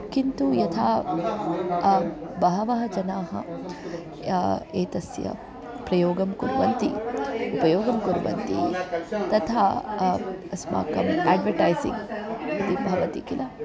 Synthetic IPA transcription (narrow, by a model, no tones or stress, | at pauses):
kint̪ujɐt̪ʰaː | bɐɦɐʋɐɦɐd͡ʒɐnaːɦɐ̰ | eːt̪ɐsjɐ̰ | pɾɐjoːɡɐmkuɾʋɐnt̪ḭupɐjoːɡɐmkuɾuʋɐ̰nt̪it̪ɐt̪ʰaː | ɐsma̰ːkɐmaːɖʋɐɾʈajsḭŋid̪ibʱɐʋɐt̪ikilɐ